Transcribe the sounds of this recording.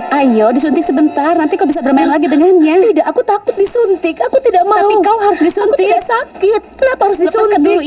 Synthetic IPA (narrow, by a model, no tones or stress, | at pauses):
ʔajɔdis̬unt̪ɪk̚səbənt̪arnant̪ikaubis̬abərmaɪnlaɡidəŋanɲat̪idaʔakut̪akʊt̪̚disunt̪ɪkakut̪idaʔmakauɦaɾʊsdisuant̪ɪkdaʔsakɪt̪̚laphaɾʊs̬disun